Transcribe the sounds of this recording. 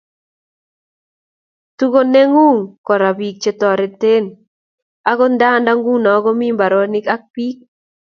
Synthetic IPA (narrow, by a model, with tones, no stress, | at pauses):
t̪u˦ɡo˦ne˦ŋu˦ŋkɔ˨ɾa˨bi˨k̚t͡ʃe˨t̪ɔ˨ɾɛ˨t̪e˦n | a˦ɡɔ˦nda˦nda˦ŋɡu˦nɔ˨˦ɡɔ˦mi˦mba˨ɾɔ˦nɪ˦ka˦k̚pi˦k̚